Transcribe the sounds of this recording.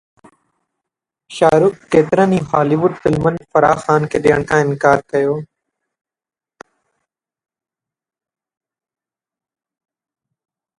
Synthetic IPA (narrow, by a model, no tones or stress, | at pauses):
ʃaːɾʊkːeːt̪ɪɾənĩːɦaːliːʋʊɖfɪlmənɪfəɾaːxaːnkʰeːɗeːəɽ̃kʰãːɪnkaːɾkəjoː